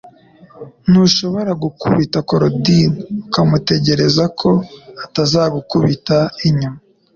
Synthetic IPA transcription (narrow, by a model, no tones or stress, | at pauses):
nuʃo̞βo̞ɾaɡukṵβitakoɾodinukamute̞ɟe̞ɾe̞zakʰo̞atazaːɡukuβitaiɲuma